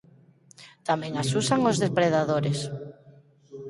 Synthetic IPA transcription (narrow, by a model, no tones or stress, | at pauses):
t̪amɛ̃ŋasusaŋozðespɾeðaðoɾes